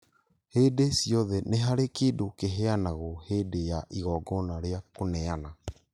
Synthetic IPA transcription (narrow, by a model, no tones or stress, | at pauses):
hedesiɔðɛneɦaɾekeːdokeɦeanaɣoheːdejaʔiɣɔːɡɔnaɾeakonɛana